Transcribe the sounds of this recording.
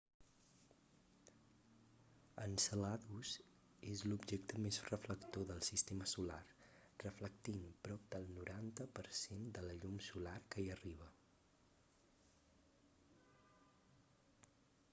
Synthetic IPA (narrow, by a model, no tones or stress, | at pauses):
ənsəlaðuz | ezlubʒek̚t̪əmezrəfləkt̪oðəlˠsist̪eməsula̰r | rəfləkt̪inpɾɔp̚d̪əlˠnuɾʔant̪əpəɾsend̪ələʎumsularkəiəriβ̞ə